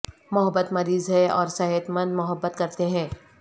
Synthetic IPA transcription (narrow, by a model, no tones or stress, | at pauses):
mʊɦəbːət̪mɐɾiːzɦɛɔːɾsɛɦət̪mə̃nd̪mʊɦəbːət̪kɐɾt̪eɦɛ̃ː